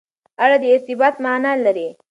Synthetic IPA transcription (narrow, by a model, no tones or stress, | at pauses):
aɽad̪əɪɾt̪ɪbɑt̪manalaɾe